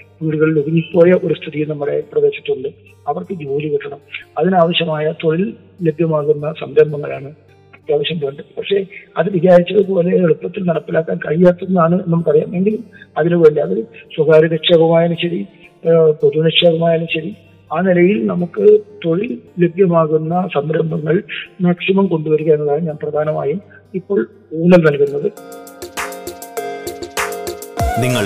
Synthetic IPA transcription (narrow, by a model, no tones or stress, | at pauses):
ʋiːɽuɣɐɭiluɣiɲːipːoːjɐʔo̞ɾust̪ʰiðijunɐmːɐɽḛprɐʋe̞ːɕi̥ʈːuɳɖɨ | ɐʋɐrkɨd͡ʑoːlikiʈːɐɳɐmɐðinaːʋɐɕjɐmaːjɐt̪o̞ɻilː | e̞bʱjɐmaːɣunːɐsɐmd̪ɐmbɐŋːɐɭaːɳɨ | ɐt̪jaːʋɐɕjɐmboːɳɖɨpɐkʂe̞ɐðɨʋiɡaːɾit͡ɕːɐðɨpo̞ːle̞ːɭupːɐt̪ːilnɐɽɐpːilaːkːaːnkɐɻijaːt̪ːɐnːaːɳɨenːɐmɨkːɐrija̰ːme̞ŋɡilumɐðinuʋeɳɖiɐðɨswɐɡʱaːɾɐnɐkʂeːbɐmaːjɐnumɕɐɾi | poðunɐkʂeːbɐmaːjɐlumɕɐɾi | aːnilɐjilnɐmukːɨt̪o̞ɻilebʱjɐmaːɣunːɐsɐmɾɐmbʱɐŋːɐɭmaːksimɐmko̞ɳɖuʋɐɾukːɐenːɐðaːnɨmɲaːnprɐd̪ʱaːnɐma̰ːjum | ipːo̞ːɭ | uːnɐlnɐlkunːɐðɨ | niŋːɐɭ